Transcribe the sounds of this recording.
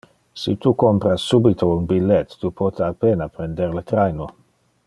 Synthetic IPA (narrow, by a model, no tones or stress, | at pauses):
sit̪ukompɾasːubit̪ʰounbilːet̪ːupot̪ʰeapeːnapɾend̪eɾlət̪ɾajno